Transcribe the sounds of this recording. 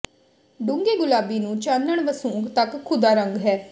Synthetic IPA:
ɖʊ̃ŋɡeːɡʊlaːbiːnũːt͡ʃaːnəɳʋəsũːŋɡt̪əkʰːʊd̪aːɾə̃ŋɡɦɛː

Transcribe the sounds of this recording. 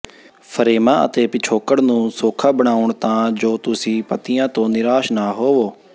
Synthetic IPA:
pʰəɾeːmãːʔə̰t̪eːpɪt͡ʃʰoːkəɽnũːsoːkʰaːbəɽ̃aːʊɳt̪ãːd͡ʒoːt̪ʊsĩːpət̪ijãːt̪õːnɪɾaːʃnaːɦoːʋoː

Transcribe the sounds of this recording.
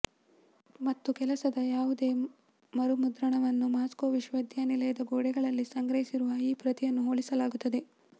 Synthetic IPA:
mɐt̪ːukɛlɐsɐd̪ɐjaːʋud̪e̞ː | mɐɾumud̪ɾɐɳɐʋɐnːumaːskoːʋiʃʋɐd̪ʱjanilɐjɐd̪ɐɡoːɽɛɡɐɭɐlːisɐŋɡɾɐɦisiɾuʋɐiːpɾɐt̪ijɐnːuɦoːɭisɐlaːɡut̪ːɐd̪e̞

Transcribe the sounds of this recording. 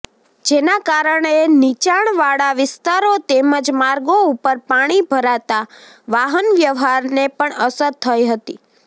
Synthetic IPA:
d͡ʒenakaɾəɳenit͡ʃaɳ̃ʋaɽaʋɪst̪aɾot̪eməd͡ʒmaɾɡoupəɾpaɽ̃ibʱəɾat̪a | ʋaɦənʋjəʋɦaɾnepəɳəsəɾt̪ʰəjɦət̪i

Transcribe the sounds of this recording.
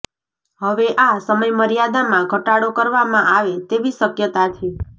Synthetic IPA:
ɦəʋeʔasəməjməɾijad̪amãɡʱəʈaɽokəɾʋamãʔaʋet̪eʋisəkjət̪at͡ʃʰe

